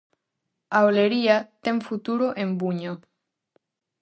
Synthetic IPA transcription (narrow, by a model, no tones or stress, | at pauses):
aoleɾiat̪eŋfut̪uɾoʔembuɲo